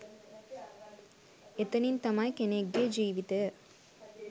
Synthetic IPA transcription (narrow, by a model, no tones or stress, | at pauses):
et̪ɐnint̪ɐmɐjkeneɡːed͡ʒiːʋit̪e